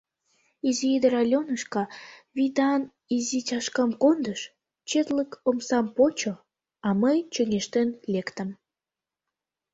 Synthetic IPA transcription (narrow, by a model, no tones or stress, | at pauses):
iziid̪əɾɑlʲonəʃkɑβid̪ɑn | izit͡ɕɑʃkɑmkond̪əʃ | t͡ɕet̪ləkomsɑmpot͡ɕo | ɑməjt͡ɕəŋeʃt̪enlʲekt̪əm